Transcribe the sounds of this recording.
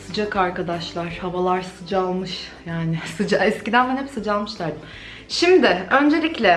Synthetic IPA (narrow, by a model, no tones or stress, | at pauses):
sɯd͡ʒakaɾkad̪aʃlˠaɾ̥havalˠaɾsɯd͡ʒalˠmɯʃjaːnɪsɯd͡ʒaɛscid̪ænbɛnhɛpsɯd͡ʒalˠmɯʃlˠaɾd̪ɯm | ʃimd̪ɪø̞nd͡ʒe̞lʲiclʲɛ